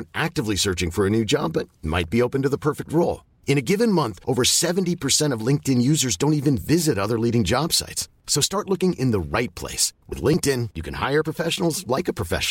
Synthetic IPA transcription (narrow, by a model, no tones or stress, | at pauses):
ʔæk̚tɨvlisɜ˞t͡ʃɪ̃ŋfə˞ɨnʉd͡ʒɑbʌt̚ma̰ɪt̚b̥ioʊpɨ̃ntɨðəpʰɜ˞fɨk̚t̚ɹoʊlˠ | ɨ̃ñɨɡɪvɨ̃nmʌ̃nθʔoʊvə˞sɛṽn̩tipʰə˞sɛ̃ɾ̃ʌvlɪ̃ŋk̚tɨ̃njʉzə˞zdõʊ̃ntivɨ̃nvɪzɨɾʌðə˞liɾɪ̃ŋd͡ʒɑb̥sa̰ɪtsː | oʊstɑɹtˡlʊkɪ̃ŋʔɪ̃nðəɹaɪt̚pʰl̥ḛɪswɨ̰ðlɪ̃ŋk̚tɪ̃njɨkʰɨ̃nha̰ɪə˞pʰɹ̥əfɛʃn̩l̩ˠzlaɪkɨpʰɹ̥ɨfɛ̰ʃ